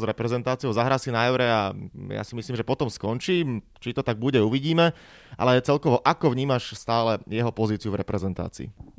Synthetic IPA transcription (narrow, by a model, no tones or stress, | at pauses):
zɾɛpɾɛzɛnt̪aːt͡sijɔʊzaɦɾaːsinaɛʊɾɛaja̰simisliːmʒɛpɔt̪ɔmskɔnt͡ʃiːm | t͡ʃit̪ɔt̪aɡ̚buɟɛuʋiɟiːmɛ | ʔa̰lɛɛt͡sɛlkɔʋɔʔakɔʋɲiːmaʃst̪aːlɛjɛɦɔpɔziːt͡siuvɾɛpɾɛzɛnt̪a̰ːt͡sḭː